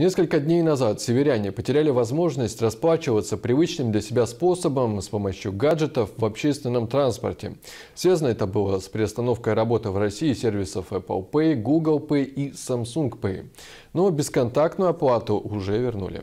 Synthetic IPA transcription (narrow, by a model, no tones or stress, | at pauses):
nʲe̞skəlʲkəd̪ʲnʲejnɐzat̪sʲɪvʲɪɾʲænʲɪpətʲɪɾʲælʲɪvɐzmo̞ʐnəsʲtʲrɐsplˠat͡ɕɪvət̪səpɾʲɪvɨt͡ɕnɨmd̪lʲɐsʲɪbʲaspo̞səbəmspo̞mɐɕjʊɡaʐɨt̪əfvɐpɕest̪vʲɪnːəmt̪ɾanspə̰rtʲɪ̰ | svʲaznəɛt̪əbɨlˠəspɾʲɪɐst̪ɐno̞fkəjɾɐbo̞t̪ɨvrɐsʲiːsʲervʲɪsəfɛpə̰lˠpɛɡuɡəlˠpɛisɐmsunkpɛ̰ | no̞bʲɪskɐnt̪ak̚t̪nʊjʊɐplˠat̪ʊʔʊʐɛvʲɪrnṵlʲɪ̰